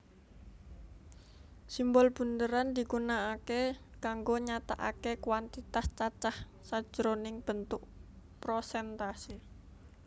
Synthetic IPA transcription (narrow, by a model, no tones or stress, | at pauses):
simbɔlb̥und̪əɾand̪iɡunaːkekaŋɡoɲat̪a̰ʔakekwant̪it̪ast͡ʃat͡ʃah | sḁʒ̥əɾonɪŋb̥ənt̪ʊk̚pɾosɛnt̪asi